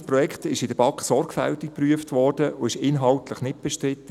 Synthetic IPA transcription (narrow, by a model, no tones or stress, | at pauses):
pɾɔjɛktɪʃɪdəb̥ɑkχsɔɾɡfæ̰ltɪk̚pryəftʋɔːrd̥əʊɪʃɪnɦɑltləχnɪt̚b̥ɛʃtɾɪt̪ːə